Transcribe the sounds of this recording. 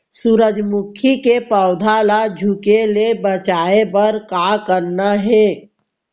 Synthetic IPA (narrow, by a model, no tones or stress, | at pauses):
suɾəd͡ʒmʊkʰikepəːʊd̪ʱalad͡ʒʱʊkelebət͡ʃaːebəɾkakəɾnaɦɛː